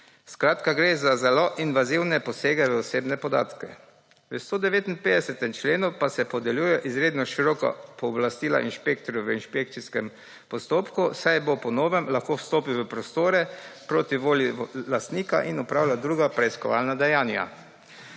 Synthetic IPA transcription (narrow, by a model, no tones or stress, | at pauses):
skɾaːt̪kaɡɾeːzazɛloʔinʋaziwnɛpɔseːɡɛʋəɔseːbnɛpɔd̪a̰ːt̪kɛ̰ | ʋəst̪oːd̪ɛʋeːt̪inpeːd̪ɛsɛt̪ɛmt͡ʃleːnupasɛpɔd̪ɛljuːjɛʔizɾeːd̪nɔʃiɾɔːka̰pɔːblast̪iːla̰ʔinʃpek̚t̪ɔɾjuʋəinʃpek̚t̪siskɛm | pɔst̪oːpkusajbopɔnoːʋɛmlaxkoːwst̪oːpiʋəpɾɔst̪oːɾɛpɾoːt̪iʋoːlilast̪niːka̰ʔinɔpɾawlʲjad̪ɾuːɡapɾɛiskɔʋa̰ːlnad̪ɛjaːnja̰